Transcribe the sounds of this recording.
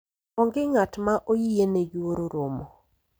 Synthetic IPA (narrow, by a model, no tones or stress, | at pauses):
ɔŋɡɪŋatmaʔojieneɡwoɾoɾʊmɔ